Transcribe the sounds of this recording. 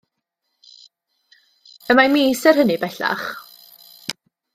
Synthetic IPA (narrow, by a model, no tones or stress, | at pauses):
əmamiːsərɦənibɛɬa̰χ